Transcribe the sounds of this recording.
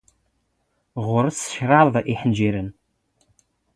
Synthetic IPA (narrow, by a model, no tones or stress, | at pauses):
ʁʷʊɾəsʃraðʔiħənd͡ʒiɾən